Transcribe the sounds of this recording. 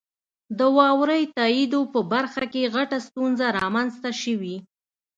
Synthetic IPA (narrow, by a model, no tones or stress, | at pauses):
d̪əwɑwɾəjt̪ɑid̪opəbaɾxakeɣaʈast̪unzaɾɑmanzt̪aʃəwi